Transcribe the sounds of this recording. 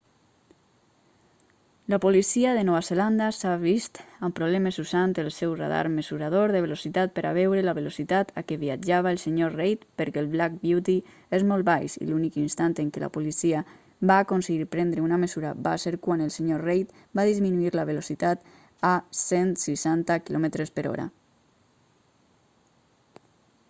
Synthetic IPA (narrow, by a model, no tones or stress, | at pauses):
lapolisiaðenɔβazeland̪asaβist̪ampɾoβlɛməzuzant̪elˠsɛwrḛð̞a̰ɾmezuɾað̞oɾðəβ̞elosit̪at̪̚pəɾʔa̰βɛwɾelaβelosit̪at̪akeβiad͡ʒaβaelˠseɲorejt̪pəɾkelˠβlak̚bjut̪i | ezmolˠt̪̚bajʃḭlunikinst̪ant̪eŋkela̰pulisia | βaːkonseɣiɾpɾɛnd̪ɾeunamezuɾaba̰seɾkwanelˠseɲorejt̪ | baðizminuiɾlaβ̞elosit̪at̪ | asensiʃant̪akilɔmet̪ɾespəɾɔ̰ɾa̰